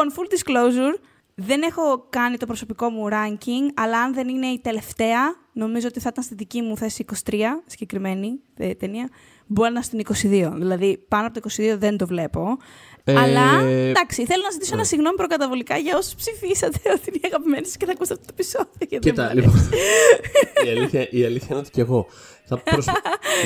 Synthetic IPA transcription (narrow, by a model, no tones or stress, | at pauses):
onfuld̪isklowzuɾ | ðe̞ne̞xo̞kɐnit̪o̞pɾoso̞piko̞muɾɐɲciŋɡɐlɐːnðe̞nine̞it̪e̞le̞ft̪e̞ɐ | no̞mizo̞ot̪iθɐt̪ɐnst̪iðicimuθesiiːko̞si̥t̪ɾiɐsi̥ɟe̞kɾime̞ni | t̪eniɐ | boɾɐnɐst̪iniko̞siðio̞ðilɐðipɐnoɐpooiko̞siðio̞ðe̞nd̪ovle̞po̞ | ɐlɐd̪ɐksiθelo̞nɐzit̪isoenɐsiɣno̞mipɾokɐt̪ɐvolikɐʝɐo̞so̥spsifisɐt̪eo̞t̪iinɐɣɐpimenisu̥scenɐkust̪ɐft̪ot̪opiso̞ðioʝɐt̪it̪ɐlio | iɐlθçɐʔiɐliθçɐinot̪eceɣo̞ | θɐps